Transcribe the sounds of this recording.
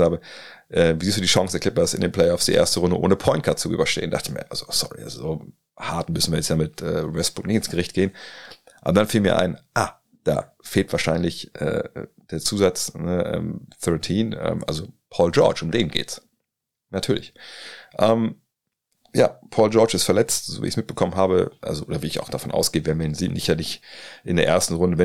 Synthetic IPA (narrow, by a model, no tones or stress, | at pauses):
aːbə | ʔɛviziːsd̥uːdiːʃɔŋsɛɐklɪp̚ɐsɪ̰ndeːnplɛɪɔfsd̥iːʔḛːɐstəʁʊndə̰ʔo̰ːnəpʰɔʏntkʰaɐtt͡suʔy̰ːbɐʃtḛːənda̰χtəmḭːɐʔa̰lzosɔ̰ʁḭʔa̰zo̰zoː | haːɐtn̩mʏsn̩viːɐjɛt͡stjaːmɪtʔɛːʁɛsb̥ʊknɪçɪnsɡ̥əʁɪçt̚ɡ̥eːənʔa̰ːbɐdanfiːlmiːɐʔa̰ɪnʔa | d̥a̰ː | feːltv̥aːɐʃaɪnlɪçʔɛ̰ːd̥eːɐt͡suːzat͡snəʔɛ̰ːmθœɐtʰiːnʔɛ̰ːmʔa̰lzopʰɔːld͡ʒɔɐt͡ʃʊmdeːnɡḛːts | natʰyːɐlɪçʔɛːm | ja̰ːpʰɔːld͡ʒɔɐt͡ʃɪstfɛɐlɛt͡stz̥o̰ːvḭːçsmɪt̚b̥əkʰɔmənɦaːbə̰ʔa̰lzoʔoːdɐviːɪça̰ʊxd̥afɔnʔa̰ʊsɡ̥eːəvɛɐnviɐinziːnɪ̰çtanɪçʔɪndeːɐʔeɐstn̩ʁʊndəvɛ